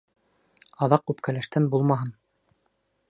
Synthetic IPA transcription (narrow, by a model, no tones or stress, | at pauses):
ɑðɑqːʉpkælæʃt̪ænbulˠmɑɦɤn